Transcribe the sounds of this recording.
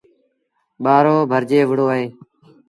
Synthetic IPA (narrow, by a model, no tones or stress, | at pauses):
ɓaːɾoːbʱəɾd͡ʒeːʋəɽoːɦeː